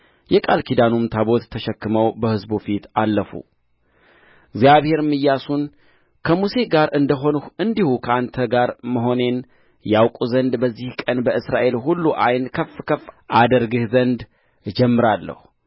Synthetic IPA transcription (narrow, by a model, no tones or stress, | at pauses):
jɛkʼalkʰid̪anumt̪ʰabo̞t̪ːʰəʃɛkːɨməwbəhɨzbufit̪alːəfṵ | ɡzijaβhe̞ɾmɨjːasun | kʰəmuse̞ɡaɾɨnd̪əɦoɨnd̪ihukʰəʔant̪ʰəɡaɾməɦo̞ne̞n | jawkʼuzənd̪bəzːihkʼənbəʔɨsɾaʔe̞lhulːuʔajnkʰəfkʰəfːʔad̪əɾɡɨhzənd̪ | d͡ʒɛmːɨɾalːə̰hu